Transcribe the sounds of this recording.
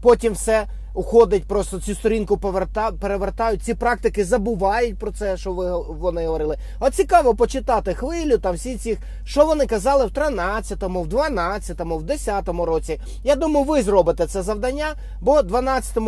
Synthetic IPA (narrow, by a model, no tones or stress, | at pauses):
pɔtʲimwsɛ | ʊxɔd̪ɐt̚ʲpɾɔst̪ɔt͡sʲust̪ɔɾʲinkʊpɔʋert̪ɑpeɾeʋert̪ɑjʊt̚ʲt͡sʲipɾɑk̚t̪ɪkɪzɐbʊʋɑjʊtʲpɾɔt̪sɛʃt͡ʃɔʋɪ | ʋɔnɪɦɔʋɔɾɪlˠɪ | ɔt̪t͡sʲikɑʋɔpɔt͡ʃɪt̪ɑt̪ɪxʋɪlʲːʊt̪ɑmsʲit͡sʲix | ʃt͡ʃɔʋɔnɪkɐzɑlˠɪwt̪ɾɪnɑt͡sʲːɐt̪ɔmʊwd̪ʋɐnɑt͡sʲːɐt̪ɔmʊwd̪esʲat̪ɔmʊɾɔt͡sʲi | jad̪umɐjʊʋɪzrɔbɪt̪ɛt̪sɛzɐʋd̪ɐnʲːa | bɔd̪ʋɐnɑt͡sʲɐ̥t̪ɔmʊ